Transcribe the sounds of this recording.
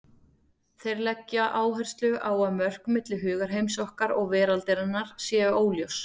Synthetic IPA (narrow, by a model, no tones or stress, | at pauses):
θejɾlɛcːaʔaːwɦɛr̥st̪lʏʔaːwamœr̥kmɪt̪lɪɦʏːɣaɾ̥ɦejmsɔhkaɾɔɣvɛːɾalt̪ɪɾɪnːaɾ̥sjɛːoːwljows